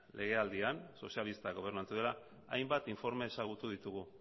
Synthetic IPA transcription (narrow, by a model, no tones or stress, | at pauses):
lʔe̞ɣ̞e̞ald̪ianso̞sialist̪aɣo̞β̞e̞ɾnant͡s̪iðela | ajmbat̪iɱfo̞ɾme̞ːsaɣut̪uðit̪uɣu